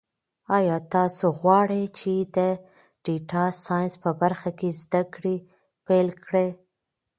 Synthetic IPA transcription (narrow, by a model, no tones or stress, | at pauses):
ɑjɑt̪ɑsoɣwɑɽet͡ʃed̪ə | ɖ̥iʈɑsɑjnspəbaɾxakezd̪akɽe | pelkɽe